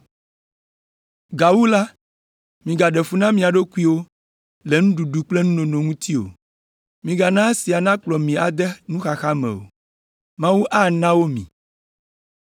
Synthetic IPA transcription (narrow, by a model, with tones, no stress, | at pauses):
ɡa˨wu˦la˦ | mĩ˨ɡa˨ɖɛ˨fu˦nã˦mĩ˨a˨ɖo˦ku˦i˦wo˦ | le˨ŋũ˦ɖu˨ɖu˨k͡ple˦nũ˦nõ˨nõ˨ŋũ˦t̪ʰi˦o̰˨ | mĩ˨ɡa˨nã˦si˨a˨nã˦k͡plɔ˨mĩ˨a˨d̪ɛ˦nũ˦xa˨xa˦mḛ̃˨wo̰˨ | mã˦wu˦ʔa˦nã˦wo˦mḭ̃˨